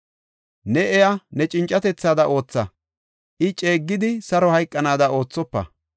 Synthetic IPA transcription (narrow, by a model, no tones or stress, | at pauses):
nɛɛjanɛt͡ʃʼɪnt͡ʃʼːɐt̪ɛt͡sːaːd̪ɐʔo̞ːt͡sːɐ | ʔɪt͡ʃʼeːɡːɪd̪ɪsɐɾɔhɐjkʼːɐnaːd̪ɐo̞ːt͡sːɔpːɐ̰